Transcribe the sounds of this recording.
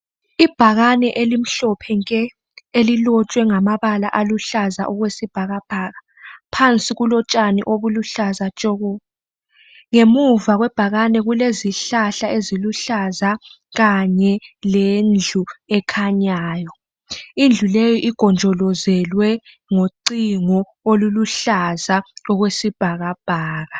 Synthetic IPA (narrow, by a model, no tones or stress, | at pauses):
ib̥ʱaɣanɛʔelim̩ɬɔpʰɛŋkʼɛ | elilɔt͡ʃʼwɛŋamaβala̰ʔaluɬazaʔɔɣwesib̥ʱaɣab̥ʱaɣa | pʰant͡sʼiɣulɔt͡ʃʼanḭʔoβuluɬazat͡ʃʼɔɣɔ | ŋemuvaɣwɛb̥ʱaɣanɛɣuleziɬaɬaeziluɬaza | ɣaɲɛlend͡ɮʱuɛkʰaɲaːjɔ | ind͡ɮʱulejɔʔiɡ̥ʱɔnd͡ʒʱɔlɔzɛlwɛ | ŋoǀiŋɔ | oluluɬazaɔɣwesib̥ʱaɣab̥ʱaːɣa